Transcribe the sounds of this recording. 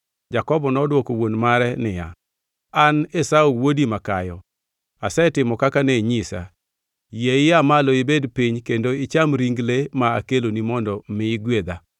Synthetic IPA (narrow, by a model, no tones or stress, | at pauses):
d͡ʒakɔbɔnɔdwɔkowonmaɾɛnɪja̰ | anesaowodimakajɔ | asɛtɪmɔkakaneɲisa̰ | jeɪjamaloɪbedpiɲkendoɪt͡ʃamɾiŋɡlemaakelonimɔndɔmɪɡwed̪a